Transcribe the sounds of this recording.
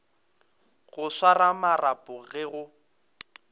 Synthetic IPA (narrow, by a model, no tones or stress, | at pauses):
ɣʊswaramarapʼʊɣɛɣʊ